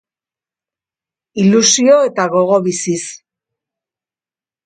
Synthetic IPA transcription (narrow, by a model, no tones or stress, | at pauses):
ilusio̞e̞t̪aɣo̞ɣ̞o̞βisis